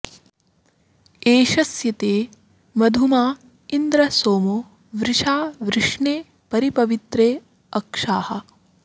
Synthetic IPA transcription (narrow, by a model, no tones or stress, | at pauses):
eːʃɐsjɐt̪eː | mɐd̪ʱumaː | ind̪ɾɐsoːmu | ʋɾɪʃaːʋɾɪʂɳeː | pɐɾipɐʋit̪ɾeː | ɐkʂaːhɐ